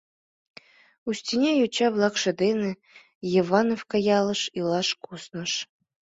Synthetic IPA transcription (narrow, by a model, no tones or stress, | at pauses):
usʲt̪ʲinʲejut͡ɕɑβlˠɑkʃɤ̆d̪enɘ̆ | jivɑnofkɑjɑlˠɤ̆ʃilˠɑʃkusnɤ̆ʃ